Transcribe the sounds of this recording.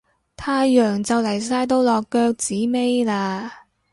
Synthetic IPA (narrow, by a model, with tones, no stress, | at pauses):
t̪ʰaː˧˥jœː˨˩ŋt͡sɐ˨wlɐ˨˩js̬aː˧jt̪̬o˥wlɔː˨kːœː˧k̚t͡siː˨˥me˥jlaː˧